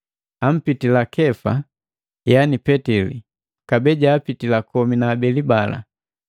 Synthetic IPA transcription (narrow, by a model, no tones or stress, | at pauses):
am̩pitilakɛfa | janipɛtɛlḭ | kabɛɟaːpitilakɔminaːbɛlibala̰